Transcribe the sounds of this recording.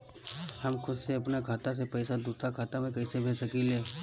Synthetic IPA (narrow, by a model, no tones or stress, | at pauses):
hɐmkʰʊd̪seɐpnakʰaːt̪as̬epɛːsad̪uːt̪akʰaːt̪amẽkɐisebʱeːsɐkileː